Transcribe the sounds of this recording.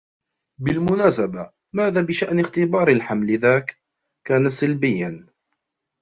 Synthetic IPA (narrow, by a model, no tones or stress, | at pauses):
bɪlmʊnaːsaba | maːðaːbɪʃaʔnɪɣt̪ɪbɑːɾˤɪlħamlɪðaːk | kːaːnasalbɪjːan